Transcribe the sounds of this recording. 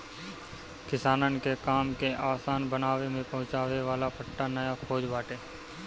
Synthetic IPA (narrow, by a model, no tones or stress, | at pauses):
kɪsaːnənkekaːmkeʔaːsaːnbənaːʋemẽpɐɦʊ̃t͡ʃaːʋeʋaːlapʰɐʈːanəjakʰoːd͡ʒbaːʈeː